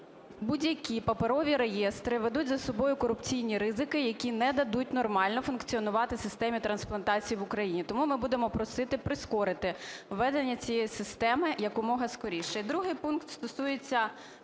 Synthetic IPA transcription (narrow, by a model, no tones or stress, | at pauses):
budʲjɐkʲipɐpeɾɔʋʲiɾejɛst̪ɾɪʋed̪utʲzɐsɔbɔjʊkɔɾʊpt͡sʲijnʲiɾɪzɪkɪjɐkʲinɛd̪ɐd̪utʲnɔrmɑlʲnɔfʊnkt͡sʲiɔnʊʋɑt̪ɪsɪst̪ɛmʲit̪ɾɐnsplˠɐnt̪ɑt͡sʲijiʋʊkɾɐjinʲit̪ɔmumɪbud̪emɔpɾɔsɪt̪ɪpɾɪskɔɾɪt̪ɪʋːɛd̪enʲːɐt͡sʲijɛjisɪst̪ɛmɪjɐkʊmɔɦɐskɔɾʲiʃɛd̪ɾuɦɪjpunkt̪st̪ɔsujet͡sʲːɐ